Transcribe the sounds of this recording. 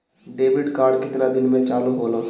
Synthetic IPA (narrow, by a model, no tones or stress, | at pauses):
ɖeːʋɪɖkaːɾɖkɪt̪nad̪ɪnmẽt͡ʃaːloɦoːla